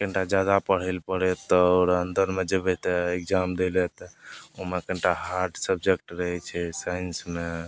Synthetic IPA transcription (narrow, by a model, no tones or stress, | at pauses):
kəɳʈad͡ʒjad̪apəɽ̤ɛlpəɽɛt̪ɔːɾənd̪əɾmed͡ʒebɛt̪ekd͡ʒamd̪elɛt̪ɔoɦmekəɳʈaɦaɾɖsəbd͡ʒek̚ʈɾəɦɛt͡ʃʰɛsajnsme